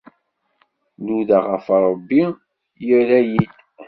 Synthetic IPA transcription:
luðaʁəfɾˤəbːi | jilæjid̪

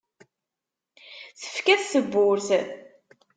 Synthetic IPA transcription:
θə̥fkæθsəbːʊɾθ

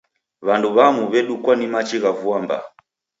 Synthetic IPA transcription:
βanduβamuβɛɗukwanimat͡ʃiɣavuamba̰

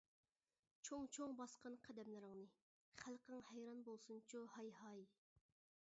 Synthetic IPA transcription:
t͡ʃʰoŋt͡ʃʰoŋbɑsqənqʰæd̪ɛmlɪɾɪŋnɨ | χælqəŋhɛjɾɑnbolˠsunt͡ʃʰuhɑjhɑi

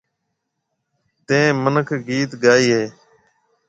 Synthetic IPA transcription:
t̪ẽːmənəkʰɡiːt̪ɡaːiːɦeː

